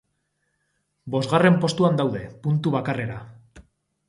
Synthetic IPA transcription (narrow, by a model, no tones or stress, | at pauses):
bo̞zɣare̞mpo̞st̪uand̪awðe̞punt̪uβ̞akare̞ɾa